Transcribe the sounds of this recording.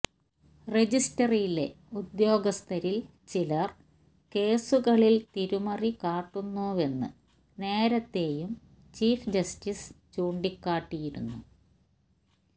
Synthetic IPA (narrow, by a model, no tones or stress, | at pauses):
red͡ʑistɐrijle̞ | ud̪jo̞ːɡɐst̪ʰɐɾil | t͡ɕilɐr | ke̞ːsuɣɐɭilt̪iɾumɐrikaːʈːunːuːʋe̞nːɨ̰ | ne̞ːɾɐt̪ːe̞ːjum | t͡ɕiːfd͡ʑɐstist͡ɕuːɳɖikːaːʈːijiɾunːu